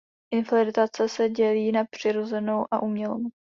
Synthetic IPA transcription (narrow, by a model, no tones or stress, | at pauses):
ʔɪnfalɪɾɪt̪at͡sɛsɛɟɛliːnapr̝̥ɪɾo̞zɛno̞wʔaʔuːmɲɛlom